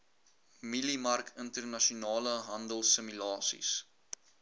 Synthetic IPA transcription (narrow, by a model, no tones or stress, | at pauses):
milimɐrkʰəntərnɐʃunɑːləɦɐndəlˠsəmylɑːsḭs